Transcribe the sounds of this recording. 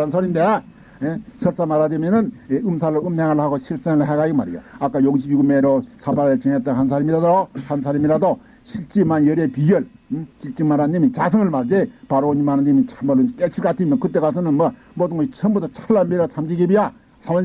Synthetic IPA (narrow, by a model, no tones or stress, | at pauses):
ansʰoɾinde | jesʰʌɭs͈amaɾademjʌnɯneɯmsʰaɾɯoɯmːeŋɯɭhaɡoɕʰiɭs͈eŋɯɭɦeɡaiɡma̰ɾḭja̰ak͈ajoɡiɕʰibjuɡumeɾosʰabaɾɯt͡ɕeŋet͈anhans̬ʰaɾimiɾadohans̬ʰaɾimiɾado | ɕʰiɭt͡ɕ͈imanjʌɾepiɡjʌɭt͡ɕik̚t͡ɕ͈iŋmaɾanɲimit͡ɕasʰɯŋɯɭmaɾd͡ʑepaɾoɲimaɾanimit͡ɕʰamaɾɯnk͈et͡ɕʰiɭk͈atʰimjʌnkɯt͈ːe̞kasʰɯnɯnma | modɯŋɡʌit͡ɕʰʌmbutʰat͡ɕʰaɭlːaɭmeɾɯsʰamd͡ʑiɡibija | sʰaman